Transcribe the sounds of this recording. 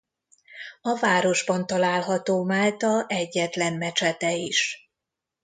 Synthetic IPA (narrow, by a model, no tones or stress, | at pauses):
ɒvaːɾo̞ʒbɒnt̪ɒlaːlɦɒt̪oːmaːlt̪ɒʔɛɟːɛt̪lɛnmɛt͡ʃɛt̪ɛiʃ